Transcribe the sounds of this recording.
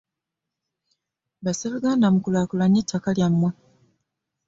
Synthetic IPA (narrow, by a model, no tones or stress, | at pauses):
baseβuɡaːndamukulakulaɲːetʰːakaljamːwa